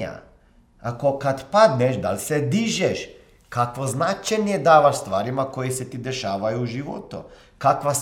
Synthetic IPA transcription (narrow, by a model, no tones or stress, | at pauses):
a̰ | akokad̪pad̪nɛʃd̪a̰lʲsed̪iʒeʃ | kakʋoznat͡ʃajnijed̪aːʋaʃst̪ʋaːɾimakojiset̪id̪eʃaːʋajuːʒiʋo̰t̪ṵ | kakʋa